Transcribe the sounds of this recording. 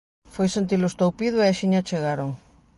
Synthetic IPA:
fojsent̪̬ilʊest̪owpiðʊeaʃiɲat͡ʃeɣaɾoŋ

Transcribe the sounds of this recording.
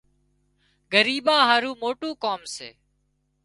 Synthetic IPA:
ɡəɾiːɓãːɦaːɾuːmoːʈũːkoːmsḛː

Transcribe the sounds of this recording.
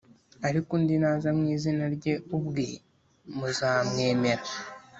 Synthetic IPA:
aɾikundinaːzamŋiːzinaɾɟe̞ubɡe | muzaːmŋe̞ːme̞ɾa

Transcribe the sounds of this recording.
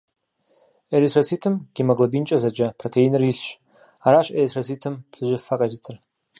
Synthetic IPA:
eɾisʰrat͡sʰitʰɨmɡ̥ʲimaɡlˠabint͡ʃʼazad͡ʒapʰrotʰeinɨriɬʃʷ | aɾaʃʷeisʰrat͡sʰitʰɨmpsɨʒʷɪfakʼazitʰɨr

